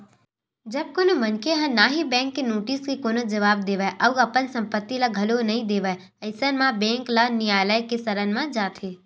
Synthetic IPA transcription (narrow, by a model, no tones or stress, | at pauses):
d͡ʒɐb̚konomɐnkeɦɐ̃naːɦibɛ̃ːŋkːenoːʈiːskekoːnəd͡ʒɐʋaːb̚d̪eːʋaʔɐuɐpənsɐ̃mpət̪ːilaɡʱɐlonɐɦĩd̪eːʋəe | ɐɪsənmãbɛ̃ːŋklanɪjaːləjkesɐɾənmãd͡ʒaːt̪ʰeː